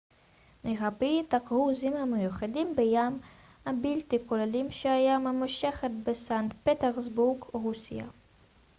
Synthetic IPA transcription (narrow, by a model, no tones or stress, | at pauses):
meʁabit̪akʁuzimhamejuχadimbejam | habilt̪ikolelimʃeajamemaʃe̞χet̪besant̪pet̪eʁzbuʁɡʁusḭa̰